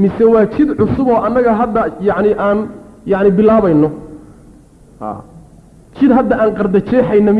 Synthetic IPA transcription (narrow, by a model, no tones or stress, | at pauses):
mɪsɛwɑːt͡ʃɪd̪ʕʊsʊβɔːʔɐnːɐɣɐɦɐd̪ːɐjɑʕnɪʔaːnjɑʕnɪbɪlaːβɐjnɔ | ha̰ː | t͡ʃʰɪd̪ɦɐd̪ɐaːŋqɑrd̪ɐt͡ʃɛːħɑjnɐm